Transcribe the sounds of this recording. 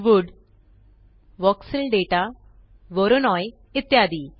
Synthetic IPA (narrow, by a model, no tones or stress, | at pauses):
ʋuɖ | ʋɔksəlɖeʈa | ʋɔɾonɔj | it̪jad̪iː